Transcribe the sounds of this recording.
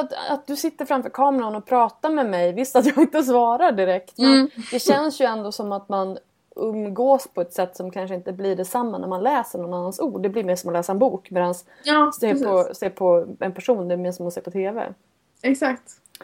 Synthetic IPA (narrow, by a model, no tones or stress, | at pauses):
at̪a̰t̪̚d̪ɵsɪt̪ːəɾfɾamfœɾkʰɑːmɛɾaɔnɔpʰɾɑːt̪amɛmɛjvɪst̪at̪jɑːɡɪnt̪əs̬vɑːɾaɖɪɾɛkt̪mɛnd̪ɛɕɛnsjɵɛnd̪oːsɔmːat̪man | ʔɵmɡoːspʰɔɛt̪sɛt̪ːsɔmkʰanʂəɪnt̪əbliɖɛsamːanʔæ̰ɾmanlɛːsəɳɔnːanːansuːɖːɛblɪɾmeːʂɔmɔlɛːsaɛnbuːkmɛːd̪ans | seːɾpʰɔseːɾpʰɔɛnpʰæʂuːnd̪ɛmɛnsɔmɔseːɾpʰɔt̪ʰeːvɛ̰ | ɛksakt̪